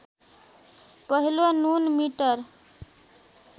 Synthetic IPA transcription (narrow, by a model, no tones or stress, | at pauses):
pəɦilonunmiʈəɾ